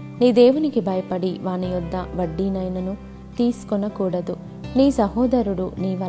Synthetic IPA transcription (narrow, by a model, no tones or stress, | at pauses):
niːd̪eːwunikibɐjɐpɐɽiʋaːnijɔd̪ːɐʋɐɖːiːnɐjnɐnu | t̪iːsu̥kɔnɐkuːɽɐd̪u | niːsɐɦɔːd̪ɐɾuɽuniːʋɐ